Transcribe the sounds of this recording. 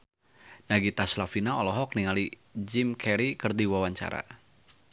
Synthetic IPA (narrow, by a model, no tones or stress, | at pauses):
naɡit̪aslafinaɔlɔɦɔk̚niŋali | d͡ʒɪmkʰɛɾikərd̪iwawaɲt͡ʃa̰ɾa̰